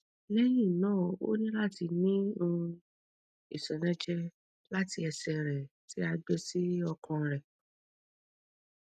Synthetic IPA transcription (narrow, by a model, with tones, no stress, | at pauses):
lɛ˦j̃ĩ˦˨nãː˦˨o̰˦nĩ˦la˦ti˧nĩ˦ũ˧ | i˨sɛ̃˨nɛ̃˦d͡ʒɛ˦ | la˦ti˧ɛ˧sɛ˨ɾɛ˨ti˨˦a˧ɡ͡be˧si˦ɔ˧kã˧ɾɛ˨